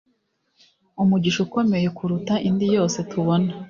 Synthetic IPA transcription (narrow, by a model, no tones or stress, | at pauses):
umuɟiʃuko̞me̞je̞kʰuɾutaʔindijo̞ːse̞tʰuβo̞na